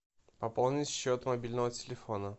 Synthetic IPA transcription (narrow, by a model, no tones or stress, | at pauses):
pɐpolˠnʲɪtʲɕːot̪mɐbʲilʲnəvətʲɪlʲɪfonə